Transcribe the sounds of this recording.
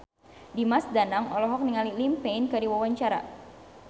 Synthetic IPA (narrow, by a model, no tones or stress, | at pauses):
dimasdanaŋɔlɔɦɔk̚niŋalilimpenkɨdiwawaɲt͡ʃaɾa̰